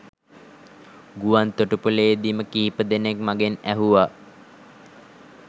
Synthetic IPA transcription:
ɡuʋant̪oʈupuleːd̪iməkiɦipəd̪enekmaɡenæɦuʋa

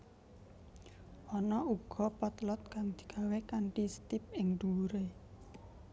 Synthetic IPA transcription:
ʔɔnɔuɡ̥ɔ̤pɔt̪lɔt̪̚kaŋd̪̥i̤ɡ̥a̤wekaɳʈist̪ɪp̚ɪŋd̪̥uɾe

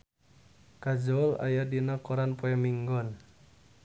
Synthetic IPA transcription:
kad͡ʒɔla̰jadinakɔɾanpɔamiŋɡɔn

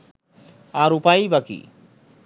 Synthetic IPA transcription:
ãɾupajbakḭ

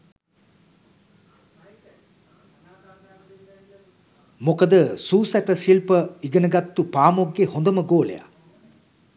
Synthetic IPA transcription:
mokəd̪əsuːsæʈəʃilpəiɡənəɡat̪ːupaːmoɡːehond̪əməɡoːlḛja̰

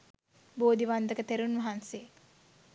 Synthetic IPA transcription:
boːd̪iʋand̪əkət̪eɾunʋɐɦanse

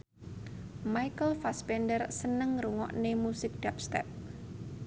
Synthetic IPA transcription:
majkəlfaspɛndərsənəŋruŋɔ̰ʔnemusɪk̚ɖ̥ap̚st̪ɛ̰p̚

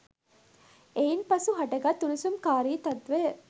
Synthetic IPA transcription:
einpɐsuɦɐʈɐɡɐt̪ːunusumkaːɾiːt̪ɐt̪ʋe

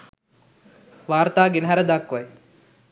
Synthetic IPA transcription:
ʋaːɾt̪aːɡenəɦæɾəd̪akːʋaj

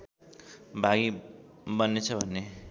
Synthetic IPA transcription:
bʱaɡibʌnːet͡sʰʌbʱʌnːe

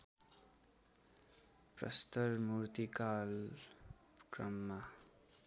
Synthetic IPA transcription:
prʌ̰st̪ʌrmurt̪ikal | krʌmːa

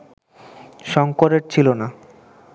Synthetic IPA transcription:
ʃɔŋkoɾeɾt͡ɕʰilona

